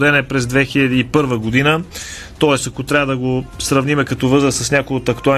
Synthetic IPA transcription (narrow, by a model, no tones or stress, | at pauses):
d̪ɛnɛpɾɛzd̪vɛxilʲɐd̪iːpɤɾvəɡod̪inə | t̪ɔɛst̪ɐkot̪ɾʲavəd̪ɐɡosɾɐvnimɛkɐt̪ɔvɤzɾəsɐsnʲakojot̪ɐkt̪ʊa